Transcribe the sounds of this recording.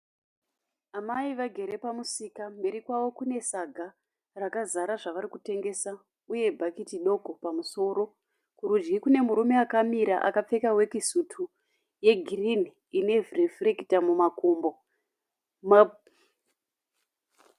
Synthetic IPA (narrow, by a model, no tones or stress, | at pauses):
amaiʋaɡʱe̞ɾe̞pamusikambe̞ɾikwaʋo̞kune̞saɡʱa | rakazaɾaʐaʋaɾikute̞ŋɡe̞sa | uje̞bʱakitiɗo̞ɡʱopamuso̞ːɾo̞ | kuɾud͡ʒɡikune̞muɾume̞akamiɾa̰ʔa̰kap͡fe̞kawe̞kisutʰu | je̞ɡʱirini | ine̞vrifrekitamumakumbo̞ | ma